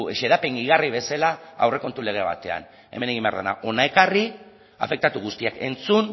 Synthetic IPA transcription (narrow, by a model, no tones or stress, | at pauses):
eʃe̞ðapeŋɡiɣariβ̞e̞salaa̰wre̞ko̞nt̪ule̞ɣ̞e̞βa̰t̪e̞a̰n | e̞̰me̞neɣimbea̰ɾðena̰ʔo̞nae̞kari | a̰fe̞k̚t̪at̪uɣ̞ust̪iake̞nt͡sun